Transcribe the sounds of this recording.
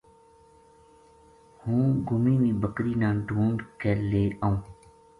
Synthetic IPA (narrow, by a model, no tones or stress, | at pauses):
hũːɡʊmiːʋĩːbʱəkɾiːnãːɖʱuːɳɖkeːleːaːũː